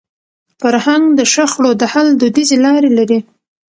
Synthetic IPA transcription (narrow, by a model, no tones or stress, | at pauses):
faɾhaŋɡd̪əʃaxɽod̪əhald̪od̪izelɑɾelaɾi